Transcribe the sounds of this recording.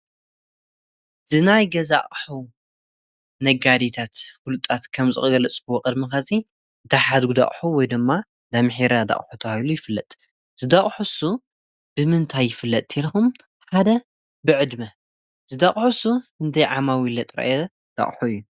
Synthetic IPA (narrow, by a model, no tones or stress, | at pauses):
z̥ɨnajɡɐza̰χʼħuw | nɐɡad̪it̪ʰat̪fulɨt̪ʼat̪kʰɐmzɨ̰xʼɨɡɐlɐt͡sʼkɨwokʼɨd̪mixasʼi | d̪aħad̪ɡud̪a̰χʼħuwɔjd̪ɨmːa | d̪amħiɾad̪a̰χʼħut̪ʰɐwalujɪfɨlːɐt̪ʼ | z̥ɨd̪aχʼħusu | b̥ɨmɨnt̪ʰajːɪfɨlːɐt̪ʼːʰelxum | ħad̪ɐ | bɨʕɨd̪mɐ | z̥ɨd̪aχʼħusuhɨnt̪ʰɐjʕamawilɐt̪ʼɾɐ̰ʔjɛ | d̪̥a̰χʼħuɨjːu